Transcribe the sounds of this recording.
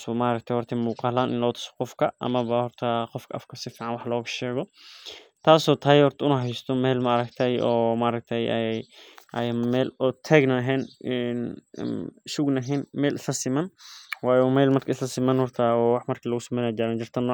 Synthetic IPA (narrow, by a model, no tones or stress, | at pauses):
smaʔɾɐk̚t̪ʰɐjhɔrt̪ʰɐmuːqɑːlaːnʔɪ̰nlɔːt̪ʰʊ̥sɔ̥qɔfkʰɐʔɐ̰mɐβɐhɔrt̪ʰɐqɔfkʰɐʔɐfkʰɐsɪfiːʕanwɑħlɔːɣɐʃɛːɣɔ | t̪ʰaːsɔːt̪ʰɐːjhɔrt̪ʰɐʊnɐɦɐɪst̪ʰɔmɛːlmɐɐɾɐk̚t̪ʰɐjɔːmɐʔɾɐk̚t̪ʰɛjʔɛjʔɛjmɛːlʊt̪ʰɛɡnaɦɛːnɛn | ʃuɡnɐɦɪnmɛːlʔɪslɐsɪmɐnwaːjɛmɛːlmɐrkʰɐɪslɐsɪmɐnhɔrt̪ʰɐwɑħmɐrkʰilɐɣʊsɐmɛːnaːd͡ʒaɾaːnd͡ʒɪrt̪ʰɐnːɔː